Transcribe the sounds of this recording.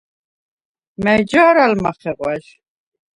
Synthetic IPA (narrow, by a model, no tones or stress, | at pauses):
mɛjd͡ʒaːɾalmaχɛqʼwaʃ